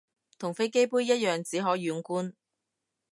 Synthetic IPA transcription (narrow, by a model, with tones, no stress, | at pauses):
t̪ʰʊ˨˩ŋfe˥jke˥jpuː˥jjɐ˥t̚jœː˨ŋt͡siː˨˥ɦɔː˨˥jyː˨˧nkuː˥n